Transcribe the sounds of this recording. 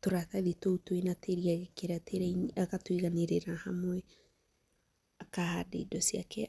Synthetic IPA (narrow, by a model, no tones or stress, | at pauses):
toɾaθaðitoutwenateɾiaɣekeɾatʰeɾaiakatwiɣaneɾeɾahamwɛ | akahadḛidɔsiakʰɛ